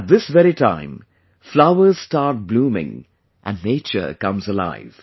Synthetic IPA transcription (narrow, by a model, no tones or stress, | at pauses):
æt̪̚ðɪsvɛɾitʰã̰ɪ̃m | flaʊə˞z̥stɑɹt̚blũːmɪ̰̃ŋ | ʔæ̰̃nːeɪt͡ʃə̰˞kʌ̃mzəla̰ɪv̥